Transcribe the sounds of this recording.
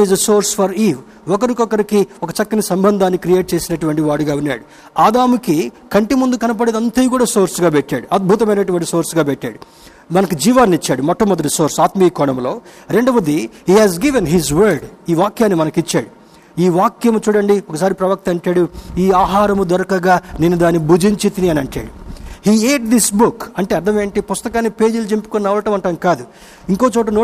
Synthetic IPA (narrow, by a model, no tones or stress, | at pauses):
izɐso̞ːɾsfɐɾiːʋ | ɔkɐɾikɔkɐɾikiɔkɐt͡ʃɐkːɐnisɐmbɐnd̪ʱaːnːikɾije̞ːʈ̚t͡ʃe̞ːsinɐʈuʋɐɳʈiʋaːɽuɡaːunːaːɽu | aːd̪aːmukikɐɳʈimund̪ukɐnɐp̬ɐɽed̪ɐnt̪ɐjkuːɽaːso̞ːɾsɡaːbɛʈːa̰ːɽuɐd̪̚bʱut̪ɐmɐjnɐʈuʋɐɳʈiso̞ːɾsɡaːbɛʈʲːa̰ːɽu | mɐnɐkud͡ʒiːʋaːnːit͡ʃːaːɽumɔʈːɐmːɔd̪ɐʈisoːɾsaːt̪miːkɔːɳɐmlo̞ː | ɾe̞ɳɖɐbɐd̪ihiːɦɛːzɡiʋenɦizʋɐːɾɖiːʋaːkjaːnːimɐnɐkit͡ʃːaːɽu | iːʋaːkjɐmut͡ʃuːɽɐɳɖiɔkɐs̬aːɾipɾɐʋɐk̚t̪ɐɐɳʈaːɽuiːaːɦaːɾɐmud̪ɐɾɐkɐɡaːneːnːud̪aːnːibud͡ʒiɲt͡ʃit̪iniɐnɐɳʈa̰ːɽuhiːeːʈ̚d̪isbukɐɳʈeɐɾd̪ʰʱɐme̞ːɳʈipust̪ɐkaːnːipe̞ːd͡ʒilud͡ʒempi̥kunːɐʋɐlɐʈɐmɐɳʈɐmkaːd̪u | iŋko̞ːt͡ʃoːʈ̬ɐnoː